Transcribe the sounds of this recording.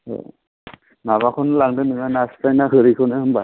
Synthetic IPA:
ɔ̰ | naβakʰɔnlaŋdɯnɯŋanastajnahɯɾikʰɔnɯɦɯmba

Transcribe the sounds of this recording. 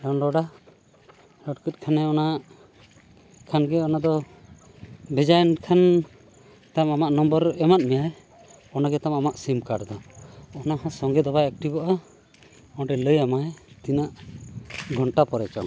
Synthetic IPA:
ɖɔnlɔɽa | lɔɽkət̪̚kʰanɛɔna | kʰanɡɛɔnad̪ɔ | bʱɛd͡ʒajnkʰan | t̪amamaʔnɔmbɔɾɛmat̪̚mɛjaj | ɔnaɡɛt̪amamaʔsimkaɽd̪ɔɔnahãsɔŋɡɛd̪ɔbaɛk̚ʈibɔʔa | ɔɖɛləjamajt̪inaʔ | ɡʱɔɳʈapɔɾɛt͡ʃɔ̰ŋ

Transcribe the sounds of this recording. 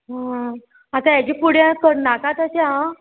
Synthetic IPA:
ɦã | at̪aɛd͡ʑipuɽjãkəɽnakat̪aseɦã

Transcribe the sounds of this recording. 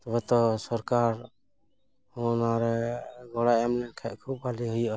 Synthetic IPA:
t̪ɔbɛt̪ɔsɔɾkaɾ | hɔnaɾɛɡɔɽajɛmlɛnkʰɛʔ̪̚kʰub̚baliɦujʔa

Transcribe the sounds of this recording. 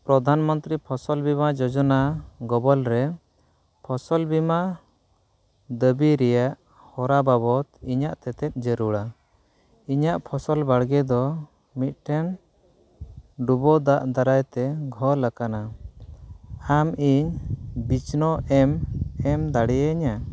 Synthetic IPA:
pɾɔd̪ʱanmɔnt̪ɾipʰɔsɔlbimad͡ʒɔd͡ʒɔnaɡɔbɔlɾɛ | pʰɔsɔlbima | d̪əbiɾɛjaʔ | hɔɾababɔt̪iɲaʔt̪ɛt̪ɛt̪̚ˀd͡ʒəɾuɽa | iɲaʔpʰɔsɔlbaɽɡɛd̪ɔ | mit̪̚ˀʈʰɛn | ɖubɔd̪aʔd̪aɾajt̪ɛɡʱɔɾlakana | amiɲbit͡ʃnɔʔɛmɛmd̪aɽɛjəɲa

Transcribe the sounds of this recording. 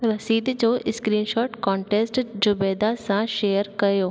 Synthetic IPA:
ɾɐsiːd̪d͡ʒoːʔɪskɾiːnʃɔːʈkɔːɳʈesʈd͡ʒʊbeːd̪asãʃeːjəɾkɐjoː

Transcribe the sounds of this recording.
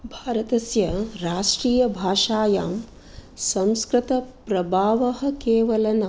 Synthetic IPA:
bʱaːɾɐt̪ɐsjɐɾaːʂʈɾiːjɐbʱaːʂaːjaːm | sɐ̃mskɾɪt̪ɐpɾɐbʱaːʋɐɦɐ̆keːʋɐlɐnɐ

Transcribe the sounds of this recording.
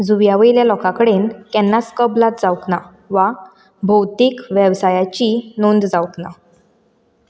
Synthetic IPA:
d͡zuʋjaʋəiljalɔkãkəɽenkɛnːat͡skəblat̪̚d͡zawkna | ʋa | bʱəwt̪ikʋjəʋsajat͡ɕinond̪d͡zawkna

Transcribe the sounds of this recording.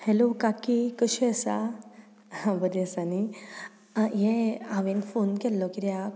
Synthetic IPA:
hɛlokakikəɕiəsa̰ | ãbəd̪esani | jɛaʋenfonkɛlːɔkid̪ja

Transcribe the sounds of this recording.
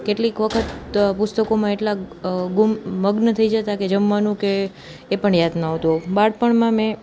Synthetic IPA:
keʈlikʋəkʰət̪pʊst̪əkomãeʈlaɡumːəɡnət̪ʰəid͡ʒət̪aked͡ʒəmʋanũkeː | pəɳjad̪naɦot̪obaɽpəɳmãmẽ

